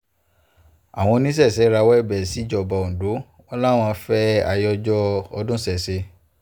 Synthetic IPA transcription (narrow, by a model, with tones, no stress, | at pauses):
a˨w̃ɔ̃˧nĩ˦s̬ɛ˦˨sɛ˨˦ɾa˧wɛ˦˨bɛ˨si˨˦˨d͡ʒɔ˧˨ba˨õ˨do˨˦ | ɔ˧˦la˦˨w̃ɔ̃˧fɛ˦a˦˧jɔ˧d͡ʒɔ˦ɔ˧dũ˦sɛ˦˨se˧˦